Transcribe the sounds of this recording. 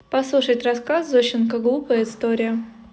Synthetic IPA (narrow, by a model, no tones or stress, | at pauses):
pɐslˠuʂətʲrɐskaszoɕɪnkəɡlˠupəjəɪst̪oɾʲɪjə